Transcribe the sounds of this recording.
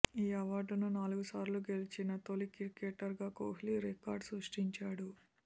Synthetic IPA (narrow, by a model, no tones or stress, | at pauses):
iːɐʋaːɖnunaːluɡusaːɾluɡe̞lit͡ʃinɐt̪olikiɾkeːʈːɐɾɡaːkoːɦliɾikaːɾɖsɾuʂʈiɲt͡ʃaːɽu